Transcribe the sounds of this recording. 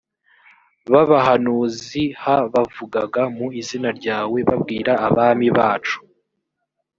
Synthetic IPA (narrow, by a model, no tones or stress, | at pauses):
βaβaɦanuːzihaβavuɡaɡamuizinaɾɟaːwe̞βabɡiːɾaaβaːmiβaːt͡ʃu̥